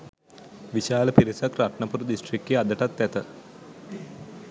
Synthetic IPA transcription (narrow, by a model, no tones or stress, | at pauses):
ʋiʃaːləpiɾisəkɾaʈɳəpuɾud̪isʈrikːead̪əʈat̪ːæt̪ə